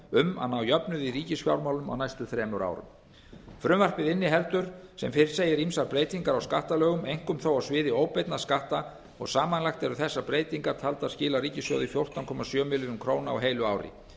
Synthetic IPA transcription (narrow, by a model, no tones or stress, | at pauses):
ʏma̰ðnawjœpnʏðiriːcɪsfjawɾmaːwlʏma̰wnajst̪ʏθɾɛːmʏɾa̰ːwɾʏ̰m | fɾʏmvar̥pɪðɪnːɪɦɛlt̪ʏɾ̥sɛmfɪɾɪɾ̥sejɪɾimsaɾpɾeːjt̪iŋkaɾawskaht̪alœːɣʏmejŋ̥kʏmθowawsvɪːðɪoːwpɛjt̪naðskaht̪a | ɔɣsaːmanlaxt̪ɛɾʏθɛsːapɾeːjt̪iŋkaɾ̥t̪ʰalt̪aðscɪːlariːcɪsjo̰wðɪfjowr̥t̪ankʰɔmasjœːmɪlʏnʏmkʰɾoːwnaa̰wɦeːjlʏaːwɾɪ̰